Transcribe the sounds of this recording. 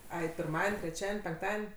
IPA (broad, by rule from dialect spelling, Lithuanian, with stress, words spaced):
ˈɐɪ pʲɪrˈmɑːdʲɛnʲ tʲrʲɛˈt͡ʃʲæːdʲɛnʲ pʲɛŋkˈtɑːdʲɛnʲ